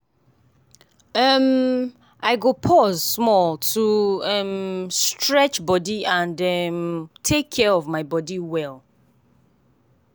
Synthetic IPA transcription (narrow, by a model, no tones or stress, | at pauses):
əm | ʔaɪɡopʰɔzsmɔlˠtʰuɛmstʰɹɛt͡ʃbɔdiãndɛmtʰekʰːɛɹɔvmaɪbɔdiwɛlˠ